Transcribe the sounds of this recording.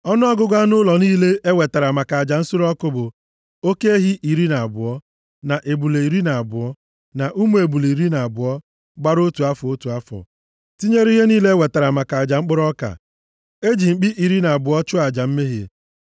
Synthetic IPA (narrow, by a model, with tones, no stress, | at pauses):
ɔ˦nʊ˦ɔ˦ɡʊ˦ɡʷa˦nʊ˦lɔ˨niː˦le˦e˦we˨ta˨ɾa˨ma˨ka˨a˨d͡ʒa˨n̩˦sʊ˦ɾɔ˦kʊ˦bʊ˨ | o˦ke˦e˦ɦi˦ʔi˨ɾi˦na˨a˨bʊ˨ɔ˦ | na˨ʔe˨bu˨le˨i˨ɾi˦na˨a˨bʊ˨ɔ˦ | na˨ʔu˦mu˦e˨bu˨le˨i˨ɾi˦na˨a˨bʊ˨ɔ˦ | ɡ͡ba˦ɾo˦tu˨a˦fo˦tu˨a˦fɔ̰˨ | ti˦ɲe˦ɾi˦ɦe˦niː˦le˦e˦we˨ta˨ɾa˨ma˨ka˨a˨d͡ʒa˨ŋ͡m̩˦k͡pʊ˦ɾɔ˦ka̰˨ | e˦d͡ʒi˨ŋ͡m̩˨k͡pi˦ʔi˨ɾi˦na˨a˨bʊ˨ɔ˦t͡ʃʊ˦a˨d͡ʒa˨m̩˦me˦ɦḛ˨